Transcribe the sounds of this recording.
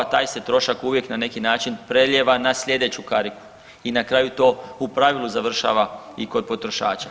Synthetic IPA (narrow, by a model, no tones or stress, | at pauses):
t̪aːjset̪ɾo̞ʃakuʋje̞knane̞kinaːt͡ʃinpɾeʎʲjeʋanasʎʲe̞d̪e̞t͡ɕukaɾiku̥ | inakɾaːjut̪o̞ːupɾaʋilˠuzaʋr̩ʃa̰ːʋaiko̞d̪̚po̞t̪ɾo̞ʃa̰ːt͡ʃa